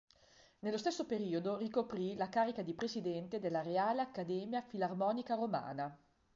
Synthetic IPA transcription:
nelːost̪esːopeɾiːod̪orikopɾilakaːɾikad̪ipɾesid̪ɛnt̪ed̪elːaɾeaːleakːad̪ɛːmjafilarmɔːnikaɾoma̰ːna

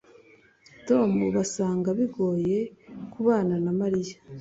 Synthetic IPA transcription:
to̞muβasaːŋɡaβiɡo̞ːje̞kuβaːnanamaɾijḁ

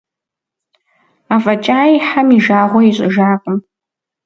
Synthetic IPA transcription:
afat͡ʃʼaːiħamiʒaːʁʷɔiɕʷʼʊʒaːkʷʼʊm

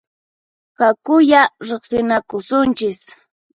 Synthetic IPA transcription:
kakʊjaɾeχsɪnakʊsʊnt͡ʃɪs

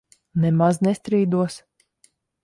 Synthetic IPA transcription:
nɛmaznɛst̪ɾiːd̪uɔs

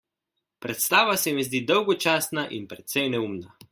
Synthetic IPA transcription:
pɾɛt̪st̪aːʋasɛmɛzd̪iːd̪ɔwɡɔt͡ʃaːsnaʔinpɾɛt̪sɛjnɛumna

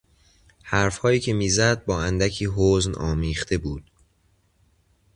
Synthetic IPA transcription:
hæɾfhɒːjiːcʰe̞miːzæd̪̚bɒːænd̪æcʰiːɦoːznɒːmiːχt̪ʰe̞buːd̪̥̚

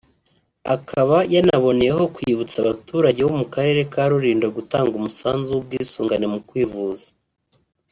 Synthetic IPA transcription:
akʰaβajanaβo̞nejeho̞kwjiβut͡saβatuːɾaɟe̞womukaɾe̞ɾe̞kaɾuɾiːndoɡutaːŋɡumusaːnzuub̚ɡiːsuːŋɡanemukwiːvuzḁ

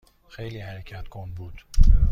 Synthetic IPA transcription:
xejliːhæɾecʰæt̪kʰɔnbud̪̥

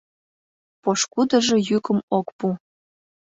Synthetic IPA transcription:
poʃkud̪ə̆ʒɤ̆jykə̆mokpu

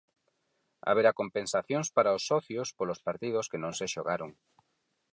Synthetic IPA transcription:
a̰βeɾakompensaθjõŋspaɾaosːɔθjospolospaɾt̪ið̞oskenõŋseʃoɣaɾoŋ

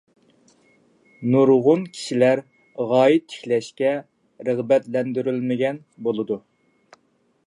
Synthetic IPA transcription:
nuɾʁʊnkʲʰi̥ʃilæɾ | ʁɑːjɪt̪ʰːɪ̥kʲlɛʃkʲɛ | ɾəʁbɛt̪lɛnd̪yɾylmɪɡʲɛn | bolˠɨd̪u

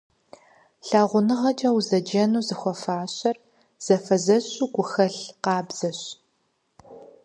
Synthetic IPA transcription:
ɬaːʁʷʊnɨʁɐd͡ʒʼɐwzɐd͡ʒɐnuːzɨxʷɔfaːɕɐr | z̥ɐfɐzɐɕʼuːɡʷʊxɐɬqɑːbz̥ɐɕ

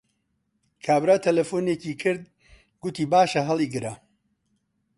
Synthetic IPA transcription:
kʰaːbɾat̪ʰɐlɐfoːneːciːkʰɨɾd̪̚ | ɡʊt̪iːbaːʃɐɦɐlˠiɡɨɾɐ

